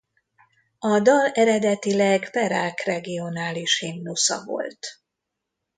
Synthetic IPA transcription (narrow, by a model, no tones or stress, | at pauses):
ɒd̪ɒlɛɾɛd̪ɛt̪ilɛɡpɛɾaːkrɛɡio̞naːliʃhimnusɒ̰vo̞̰lt̪